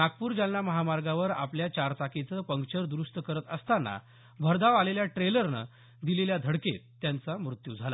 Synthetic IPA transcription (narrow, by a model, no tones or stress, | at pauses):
nak̚puːɾd͡ʑalːaməɦamaɾɡaʋəɾa̰pljat͡ɕaɾt͡sakit͡səpəŋkt͡ɕəɾd̪ɾuʂt̪əkəɾət̪əst̪anːa̰ | bʱəɾd̪aʋaleljaʈɾeləɾnə̰ | d̪ileljad̪ʱəɽkett̪ːjant͡samɾut̪jud͡zʱala̰